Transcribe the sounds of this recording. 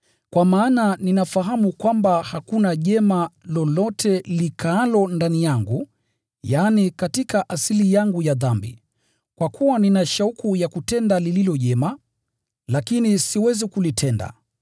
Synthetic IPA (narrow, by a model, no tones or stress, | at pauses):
kwamaːnaninafaɦamukwambahakunaʄɛmalɔlɔtʰɛlikʰaːlɔndanijaŋɡu | janikatikaʔasilijaŋɡujaðambḭ | kwakʰuwaninaʃaukujakutɛndalililɔʄɛma | lakinisiwɛzikulitʰɛnda̰